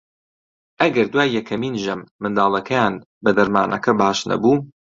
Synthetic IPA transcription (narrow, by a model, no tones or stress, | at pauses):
ʔɐɡɐɾd̪waːjːɛkʰɐmiːnʒɐmːɨnd̪aːlˠɐkʰɛjaːn | bɐd̪ɐɾma̰ːnʔɐ̰kʰɐbaːʃnɐ̰buː